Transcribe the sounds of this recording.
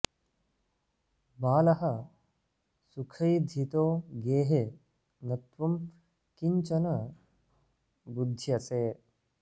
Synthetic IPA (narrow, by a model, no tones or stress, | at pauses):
baːlɐɦɐ | sukʰɐjd̪ʱit̪oːɡeːɦe | nɐt̪ʋɐm | kiɲt͡ʃɐnɐ | bud̪ʱːjɐseː